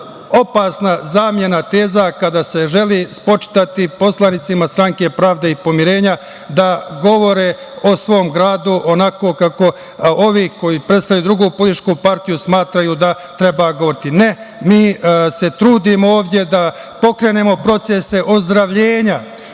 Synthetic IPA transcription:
o̞pasnazaːmje̞nat̪e̞ːzakad̪ase̞ʒe̞lispo̞t͡ʃi̥t̪at̪ipo̞slˠanit̪simast̪ɾaŋke̞pɾaːʋd̪e̞ipo̞miɾe̞ːɲa | d̪aɡo̞ʋo̞ɾe̞ː | osʋo̞ːmɡɾaːd̪uʔonako̞ːkako̞ | o̞ʋiːko̞jiːpɾest̪aʋjed̪ɾuɡuːpoiʃkupaɾt̪ijusmaːt̪ɾajud̪a | t̪ɾe̞baɡo̞ʋo̞ɾit̪ine̞ | miːse̞t̪ɾuːd̪imooːʋd̪je̞d̪a | po̞kɾe̞ːne̞ːmo̞pɾo̞t̪sese̞ʔozd̪ɾaʋʎeːɲa

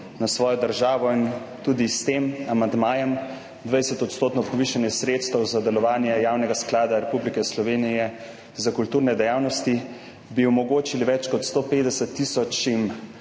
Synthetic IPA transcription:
nasʋɔːjɔd̪əɾʒaːʋɔint̪uːd̪ist̪emamand̪maːjɛm | d̪ʋajsɛt̪ɔt̪st̪oːt̪nɔpɔʋiʃanjɛsɾeːt̪st̪ɛwzad̪ɛlɔʋaːnjɛjaːwnɛɡasklaːd̪aɾɛpublikɛslɔʋeːnijɛ | zakult̪uːɾnɛd̪ɛjaːwnɔst̪i | biɔmɔɡoːt͡ʃiliʋɛt͡ʃkɔt̪st̪oːpeːd̪ɛsɛt̪ːisɔt͡ʃim

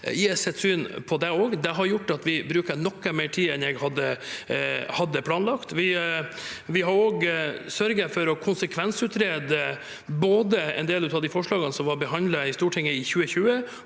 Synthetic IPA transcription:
ɪsɛt̪ːsyːnpʰɔd̪ɛoːɡd̪ɛɦɑɾjʊʈːɑt̪ʋɪbɾʉːkəɾnɔkːəmeːʈʰiːɛnɛɡhɑd̪ːə | hɑd̪ːəpʰlɑːnlɑkt̪ʋɪ | ʋɪɦɑɾoːɡsœɾɡəfɔɾɔkʰʊnsəkʰʋɛnsʉːt̪ɾeːd̪ə | boːd̪əɛ̰nd̪eːlʉːt̪ɑd̪ɪfɔʂɭɑːɡənsɔmʋɑɾbəɦɑnd̪ləɪst̪uːʈʰɪŋːəɪçʉːəçʉːə

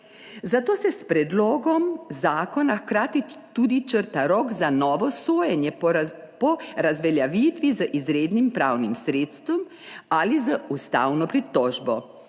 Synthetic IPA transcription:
zat̪oːsɛspɾɛd̪loːɡɔmzaːkɔnaxkɾaːt̪it̪ud̪it͡ʃəɾt̪aɾɔːɡkzanɔːʋɔsoːjɛnjɛ | pɔɾazʋɛljaʋiːt̪ʋizəʔizɾeːd̪nimpɾaːwnimsɾeːt̪st̪ʋɔm | alizəust̪a̰wnɔpɾit̪ɔːʒbɔ

